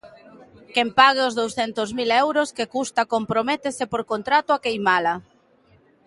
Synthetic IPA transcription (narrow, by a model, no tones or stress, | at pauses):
kɛmpaɣ̞eozðowsθɛnt̪ozmilɛwɾoskekust̪akompɾomɛt̪esepoɾkont̪ɾat̪ʊakejmala